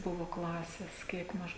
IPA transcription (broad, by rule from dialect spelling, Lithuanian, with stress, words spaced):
ˈbʊʋʊ klˠɐsʲɛs ˈkʲiɛk mɐʃ